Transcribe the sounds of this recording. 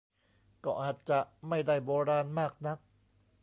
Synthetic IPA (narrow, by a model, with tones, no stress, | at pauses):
kɔː˥˩ʔaː˨˩t̪̚t͡ɕa˨˩ʔma˥˩jda˥˩jboː˧ɾaː˧nmaː˥˩k̚na˦˥k̚